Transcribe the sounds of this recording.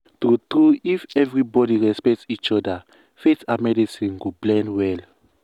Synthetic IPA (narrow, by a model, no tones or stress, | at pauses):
tutɾuifɛvɹibɔdiɹɛspɛktsit͡ʃɔda | fetamɛdisĩnɡoblɛ̃ndwɛl